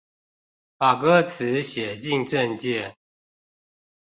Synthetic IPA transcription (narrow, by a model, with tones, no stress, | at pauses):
fa˨˩kɤ˦t͡s̩ʰ˨˦ɕjɛ˨˩t͡ɕi˥˨ŋʈ͡ʂə˥˧nt͡ɕɛ˥˨